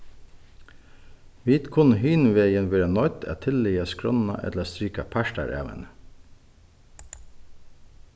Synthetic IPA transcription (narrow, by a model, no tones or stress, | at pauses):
ʋiːt̪kʰʊnhyːnʋeːjənʋiːɾɑnɔʏt̪ʰæ̰ːt̪ʰɪlːiːɑskɾɔnɑ̰ʔɛ̰t̪ləst̪ɾyːkɑpʰæʃʈɑ̰ɾʔḛːʋə̰nə